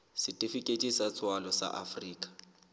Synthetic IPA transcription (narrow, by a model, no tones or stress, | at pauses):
sɪtʼifikʼetʼisat͡sʰʼwalɔsa̰ʔa̰friːkʼḁ